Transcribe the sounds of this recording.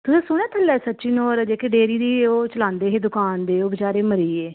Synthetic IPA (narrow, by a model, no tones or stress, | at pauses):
t̪ʊsẽːsʊɽ̃ɛːt̪ʰəlːɛːsətːʃiːnoːɾd͡ʒeːkeɖeːɾiːd̪iːoːt͡ʃəlãːnd̪eːɦeːd̪ʊkaːnd̪eːoːbət͡ʃaːɾeːməɾiːeː